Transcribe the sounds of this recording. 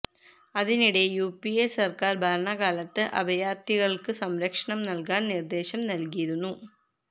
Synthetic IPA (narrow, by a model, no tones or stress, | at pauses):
ɐðiniɽe̞juːpiesɐrkaːrbʱaːɾɐɳaːɣaːlɐt̪ːɨʔɐbɐjaːrt̪ːiɣɐɭkɨsɐmɾɐkʂɐɳɐmnɐlkaːnnird̪e̞ːɕɐmnɐlkijiɾunːu